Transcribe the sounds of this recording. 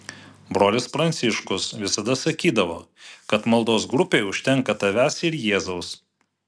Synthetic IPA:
bɾoːlʲɪspɾɐnt̪sʲɪʃkʊsʋʲɪsɐd̪ɐsɐkʲiːd̪ɐʋoːkɐt̪mɐlˠd̪oːsɡɾʊpʲeːʊʃʲt̪ʲɛŋkɐt̪ɐʋʲæsɪɾjeːzɐʊs

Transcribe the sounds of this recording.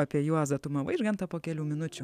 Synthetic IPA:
ɐpʲiɛjuɔzɐt̪ʊmɐʋɐɪʒɡɐnt̪ɐpoːkʲɛlʲuːmʲɪnʊt͡ʃʲʊ

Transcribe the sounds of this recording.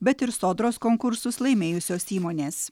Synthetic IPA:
bʲɛt̪ɪɾsoːd̪ɾoːskoːŋkʊɾsʊslˠɐɪmʲeːjʊsʲoːsiːmoːnʲeːs

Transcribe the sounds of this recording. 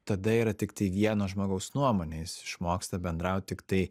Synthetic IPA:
t̪ɐd̪ɐiːɾɐt̪ʲɪkt̪ɐɪʋʲiɛnoːʒmoːɡɐʊsnuɔmoːnʲejɪsɪʃmoːkst̪ɐbʲɛnd̪ɾɐʊt̪̚ʲt̪ʲɪkt̪ɐɪ

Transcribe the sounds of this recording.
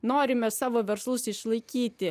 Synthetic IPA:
noːɾʲɪmʲɛsɑːʋoːʋʲɛɾslˠʊsɪʃlˠɐɪkʲiːt̪ʲɪ

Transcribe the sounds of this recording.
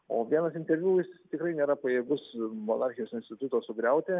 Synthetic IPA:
oːʋʲiɛnɐsɪnt̪ʲɛʋʲuːɪst̪ʲɪkɾɐɪnʲeːɾɐpɐjeːɡʊsmoːnɑrʲxʲɪjoːsɪnʲsʲt̪ʲɪt̪ʊt̪oːsʊɡɾʲɛʊt̪ʲeː

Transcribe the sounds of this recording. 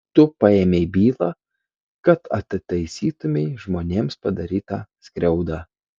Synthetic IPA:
t̪ʊpɑeːmʲeɪbʲiːlˠɑː | kɐt̪ɐ̰t̪ʲt̪ɐɪsʲiːt̪ʊmʲɛɪʒmoːnʲeːmspɐd̪ɐɾʲiːt̪ɑːsʲkɾʲɛʊd̪ɑː

